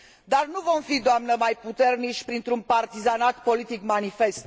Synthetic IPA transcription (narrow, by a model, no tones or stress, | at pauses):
d̪arnuvo̞mfid̪oamnəmajput̪e̞rnit͡ʃʲpɾint̪ɾunpart̪izanat̪po̞lit̪ikmanife̞st̪